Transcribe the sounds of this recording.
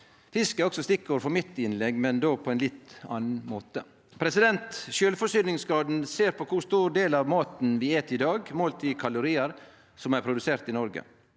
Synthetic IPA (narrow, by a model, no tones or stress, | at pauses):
fɪskəɔksɔst̪ɪkːəɾfɔɾmɪt̪ːɪnlɛɡmɛnd̪oːpʰɔɛɪnlɪt̪ɑ̰ːnn̩moːt̪ə | pʰɾɛsɪd̪ɛnt̪ʃøːlfɔʂyːnɪŋsɡɑːd̪n̩seːɾpʰɔkʰʊst̪uːɾɖeːlɑʋmoːt̪n̩ʋɪeːt̪ʰɪd̪ɑːɡmoːlt̪ʰikʰɑlʊɾiːəɾ | sɔmæɾpʰɾʊd̪ʉseːɾt̪ɪnɔɾɡə̰